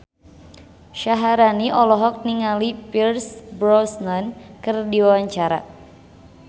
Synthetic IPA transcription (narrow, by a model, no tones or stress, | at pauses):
ʃaɦaɾaniʔɔlɔɦɔk̚niŋalipirsbɾɔsnankɨrdiwawaɲt͡ʃaɾa̰